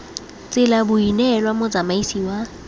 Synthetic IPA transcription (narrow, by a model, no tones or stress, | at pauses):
t͡sʼɪlabʊinɛlwamod͡zamaisiːwa